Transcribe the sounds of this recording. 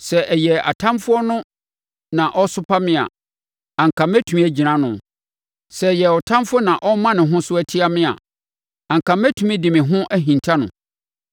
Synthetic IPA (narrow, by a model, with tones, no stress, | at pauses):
sɛ˨ʔɛ˨jɛ˨a̰˨tʰã˦mfʊ˦ɔ˦nʊ̃˦ | nã˨ʔɔ˦sʊ˦pʰa˦mɪ̃˦a̰˨ | ã˨ŋ̩˨kʰã˨mæ˦tʰũ˨mĩ˦æ˦d͡ʑi˨nã˦nʊ̃˨ | sɛ˨jɛ˨ɔ˨tʰã˦mfʊ˦nã˨ʔɔ˦mːã˦nɪ̃˨ɦʊ̃˦sʊ˦æ˦tʰi˦a˦mɪ̃˦a̰˨ | ã˨ŋ˨kʰã˨mæ˦tʰu˨mĩ˦dɪ̃˨mɪ̃˨ɦʊ̃˦ʔæ˦ɦĩ˨ntʰa˦nʊ̰̃˨